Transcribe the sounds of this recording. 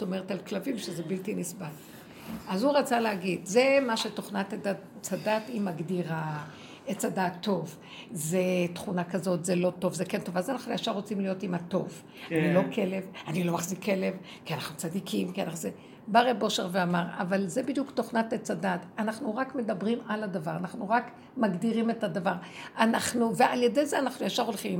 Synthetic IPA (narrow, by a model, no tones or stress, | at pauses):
stomeʁetalklavimʃezebiltinisbal | azhuʁat͡saleaɡidzemaʃeto̞χnatada | t͡sadatimaɡdiʁa | et͡sadat̪ːo̞v | zet̪χunakazo̞tzelo̞to̞vzekento̞vazanaχnuaʃaʁo̞t͡simlijotimato̞̰v | anilo̞kʰe̞le̞vanilo̞maχzikːe̞le̞v | kianaχnut͡sadikʰimkianaχnuze | baʁebo̞ʃeʁveamaʁa̰valzebid̪jukto̞χnatet͡sadatanaχnuʁakme̞dabʁimaladavaʁanaχnuʁak | maɡdiʁime̞tadavaʁanaχnuveʔaljede̞jzeanaχnujaʃaʁo̞lχim